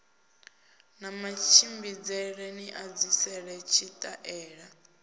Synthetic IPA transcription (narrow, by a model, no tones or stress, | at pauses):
namat͡ʃʰimbid͡zɛɺeniʔad͡zisɛɺɛt͡ʃʰit̪ʼaʔɛːɺa